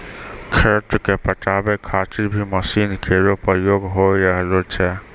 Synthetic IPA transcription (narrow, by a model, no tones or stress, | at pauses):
kʰeɾʈ̪kepəʈabekʰat̪iɾbʱiməsinkʰeɾopəjoɡɦojɾəɦlot͡ʃʰɛ